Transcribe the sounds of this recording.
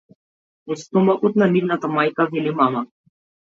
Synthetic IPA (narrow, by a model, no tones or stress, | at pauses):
ust̪umakut̪nɐniʋnat̪amaːjkaʋelemama